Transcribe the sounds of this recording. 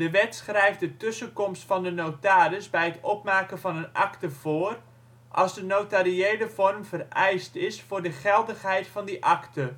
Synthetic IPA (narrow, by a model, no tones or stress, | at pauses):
dəʋɛtsχrɛjfdətɵsəkɔmstfɑndənowtaːɾəsbɛjətɔpmaːkənvɑnənɑktəv̥oːr | ʔɑlˠzdənowtariejləvɔrmvərɛjstɪsfʊːrdəχɛlˠdəχɦɛjtfɑndiʔɑktə